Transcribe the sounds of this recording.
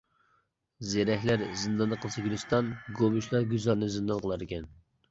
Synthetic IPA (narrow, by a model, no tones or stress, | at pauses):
zeɾɛɦlæɾzɨnd̪ɑnːəqʰəlˠsɨkʲʰylyst̪ɑnɡomyʃlˠɑɾɡʲyzɑɾnɨzɨnd̪ɑnqʰəlˠɑɾɪkʲɛn